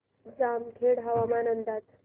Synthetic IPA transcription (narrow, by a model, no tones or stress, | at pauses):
d͡zamkʰeɽɦaʋamanənd̪at̪